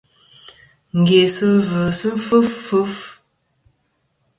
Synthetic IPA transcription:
ŋ̩˨ɡe˨sə˦və˨sə˦fə˦ffə˦f

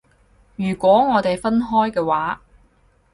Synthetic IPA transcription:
jyː˨˩kʷɔː˨˥ŋɔː˨˧t̪e˨jfɐ˥nɦɔː˥jkɛː˧waː˨˥

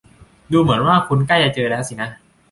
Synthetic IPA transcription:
duː˧mɯ˩˦ənwaː˥˩kʰu˧nkla˥˩ja˧˩t͡ɕɤː˧lɛː˦˥˩wsi˨˩na˦˥

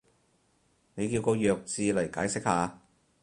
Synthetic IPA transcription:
ne˨˧jkiː˧wkɔː˧jœː˨˧k̚t͡siː˨˧lɐ˨˩jkaː˨˥jsɪ˥k̚haː˨˧

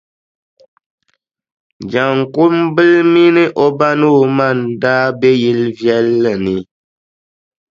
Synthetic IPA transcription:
d͡ʒa˨ŋ˨ku˦mbɨ˦lmi˦nɨ˦ʔo˦ba˦nu˦˨ma˦˨ndaː˦bɛ˦ji˦lvjɛ˦lːɨ˨nɨ˨

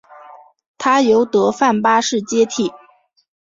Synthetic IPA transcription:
t̪ʰa˥jo˧˥ʊt̪ɤ˧˥fa˥˩npa˥ʂɻ̩˥˩t͡ɕjɛ˥t̪ʰi˥˩

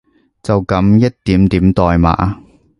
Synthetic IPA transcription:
t͡sɐ˨wkɐ˨˥mjɐ˥t̚t̪iː˨˥mt̪iː˨˥mt̪ɔː˨jma̰ː˨˥ʔa˧

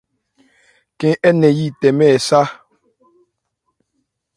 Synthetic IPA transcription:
kɛ̃˦ʔɛ˦nɛ˨ji˦tɛ˨mɛ˦˨sa˦

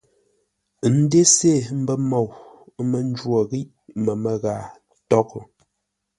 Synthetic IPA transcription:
n̩˦de˦se˦˨m̩˦bə˦mɔ˨w | mə˨n˦d͡ʒwo˨ɣi˦ʔ | mə˨mə˨ɣa˨ | tɔ˦k

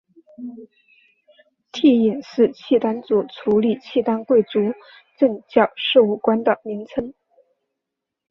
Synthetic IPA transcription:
t̪ʰi˥˩i˨˩nʂɻ̩˥˧t͡ɕʰi˥˩t̪a˥nt͡su˨˩t͡sʰu˧˥li˨˩t͡ɕʰi˥˩t̪a˥nkwe˥˩ɪt͡su˧˥ | ʈ͡ʂɤ˥˧ŋt͡ɕjɑ˥˩ʊʂɤ˥˧u˥˩kwa˥nd̪ə˨mi˧˥ŋt͡sʰə˥ŋ

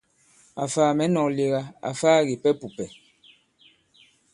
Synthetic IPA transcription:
a̰˨faː˨mɛ˨˦nɔ˨le˨ɣa˦a̰˨faː˦ɣi˨pɛ˦pu˨pɛ˨

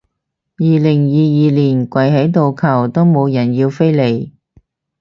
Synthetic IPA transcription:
jiː˨lɪ˨˩ŋjiː˨jiː˨˧liː˨˩nkʷɐ˨jɦɐ˨˥jt̪o˨wkʰɐ˨˩wt̪o˥wmo˨˧wjɐ˨˩njiː˧wfe˥jle˨j

